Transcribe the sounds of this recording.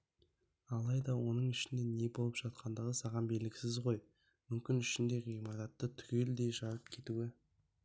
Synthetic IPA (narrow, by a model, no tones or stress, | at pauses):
ɑlˠɑjd̪ɑwo̞nəɴɪʃɪnd̪e̞ne̞bo̞lˠəpʒ̥ɑt̪̚qʰɑnd̪əʁəsɑʁɑmbe̞lɪɡʲɪsɪzʁo̞j | mʏmkʲɪnʏʃɪnd̪e̞ʁijmɑɾɑt̪ːət̪ʰʏ̥kʲe̞ld̪e̞jʒɑɾəp̚kʲʰe̞t̪uɪ